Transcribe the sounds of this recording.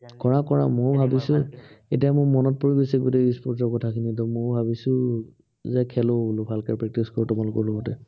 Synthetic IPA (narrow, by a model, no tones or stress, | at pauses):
kɔɹakɔɹa̰mobʱabisʊ̃etijamʊmɔnɔt̚poɹibesiɡotɛispɔts̬ɔɹkɔtʰakʰinitɔmʊbʱabisʊ̃ | zɛkʰɛlolʊbʱalkaɹpɹɛk̚tiskɔɹtʊmalʊkɔɹloɡɔtɛ